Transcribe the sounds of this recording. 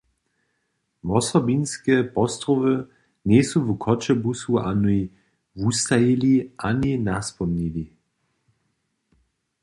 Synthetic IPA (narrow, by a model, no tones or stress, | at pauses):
ʋɔsɔbinskɛpɔst̪rɔvə | nɛsuvukʰɔt͡ʃɛbusuanuj | vust̪ajiliʔaninaspɔmnili